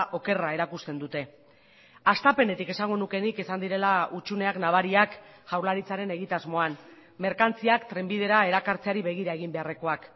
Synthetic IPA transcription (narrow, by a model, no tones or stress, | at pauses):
ʔo̞ke̞rae̞ɾakust̪e̞nd̪ut̪e̞ | ast̪ape̞ne̞t̪ike̞saŋɡo̞nuke̞nikesand̪iɾe̞laut͡ʃune̞aknaβ̞aɾiakʝawɾlaɾit͡saɾe̞ne̞ɣit̪azmo̞an | me̞ɾkant͡siakt̪ɾe̞mbið̞e̞ɾae̞ɾakaɾt͡se̞aɾiβe̞ɣ̞iɾaeɣ̞imbe̞are̞ko̞ak